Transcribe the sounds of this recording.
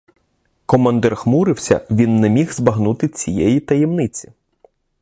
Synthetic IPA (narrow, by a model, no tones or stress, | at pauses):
kɔmɐnd̪ɛrxmuɾɪwsʲɐ̰ʋʲinːɛmʲiɣzbɐɦnut̪ɪt͡sʲijɛjit̪ɐjɛmnɪt͡sʲi̥